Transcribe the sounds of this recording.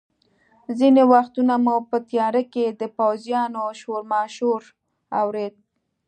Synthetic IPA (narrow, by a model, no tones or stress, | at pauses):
zinewaxt̪unamupət̪jɑɾəked̪əpawzjɑnoʃoɾmɑʃoɾ | a̰wɾed̪̚